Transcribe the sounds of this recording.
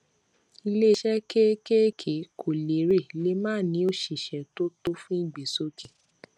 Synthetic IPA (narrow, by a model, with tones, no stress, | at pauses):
i˧le˦˧˦ʃɛ˦ke˦ke˦kʰe˨˦kʰo˨le˨˦ɾe˦˨le˦mãː˦˨nĩ˨˦o˦˨ʃi˨ʃɛ̃˨to˦to˦fũ˦i˦˨ɡ͡be˨so˦kĩ˨